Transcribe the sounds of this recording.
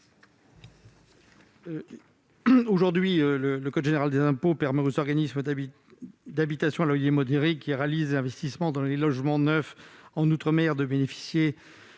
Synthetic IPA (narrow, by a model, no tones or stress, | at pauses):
oʒuʁd̪ɥiølələkɔd̪ʒeneʁald̪ezɛ̃popɛʁmɛozɔʁɡanismə | d̪abit̪asjɔ̃alɔjemɔd̪eʁikʰːiʁalizezɛ̃vɛst̪ismɑ̃d̪ɑ̃lelɔʒmɑ̃nœfɑ̃nut̪χəmɛʁd̪əbenefi̥sje